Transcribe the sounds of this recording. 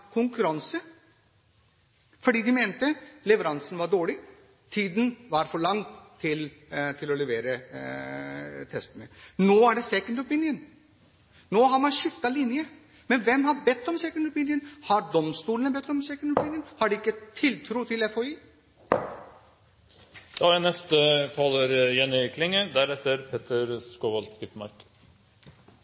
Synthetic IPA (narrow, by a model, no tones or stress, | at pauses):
kʰʊŋkʉɾɑnsə | fɔɖiːd̪ɪmeːnt̪əlɛʋəɾɑnsən̩ʋɑɖoːɭɪ | t̪ʰiːd̪n̩ʋɑɾfɔɭɑŋːt̪ʰɪlt̪ʰɪlɔlɛʋeːɾə | t̪ʰɛst̪ənə̰noːæɖɛsɛkənd̪ɔpɪnjən | noːɦɑɾmɑnʃʏft̪ːɑlɪnjə | mɛnʋɛmhɑɾbɛt̪ːɔmsɛkənd̪ʊpɪnjənhɑɾɖ̪ɔmst̪uːlənəbɛt̪ːɔmsɛkənd̪ʊpʰɪnɪjənhɑɖɛɪkːət̪ʰɪlt̪ʰɾuːt̪ʰɪlɛfoiː | d̪̥ɑɛnɛst̪ət̪ʰɑləɾjɛnːɪkʰlɪŋːəd̪æɾɛt̪ːəɾpʰeːt̪ʰəɾskoːʋɑlt̪ɡʏt̪mɑ̰ɾk